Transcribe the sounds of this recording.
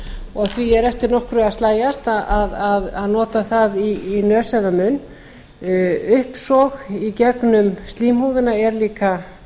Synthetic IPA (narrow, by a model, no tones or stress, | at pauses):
ɔɣθviɛɾɛft̪ɪɾnɔhkɾʏaðst̪laːjast̪aʔaðaðaðnɔːt̪aθaðiːnœːsɛðamʏn | ʏhpsɔɣicɛknʏmst̪liːmhuwðɪnaɛɾliːka